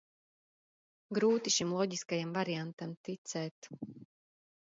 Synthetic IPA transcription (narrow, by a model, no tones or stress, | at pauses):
ɡɾuːt̪iʃimlˠɔɟiskajamvaɾiant̪amt̪it̪sɛːt̪